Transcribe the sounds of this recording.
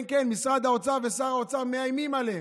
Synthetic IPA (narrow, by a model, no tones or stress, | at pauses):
nke̞nmisʁad̪hao̞t͡savesaʁao̞t͡same̞ajmimale